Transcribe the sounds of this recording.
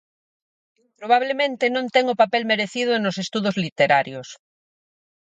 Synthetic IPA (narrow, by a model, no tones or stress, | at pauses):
pɾoβ̞aβlemẽnt̪enõnt̪ɛŋʊpapɛlmeɾeθiðʊnosest̪uðozlit̪eɾaɾjos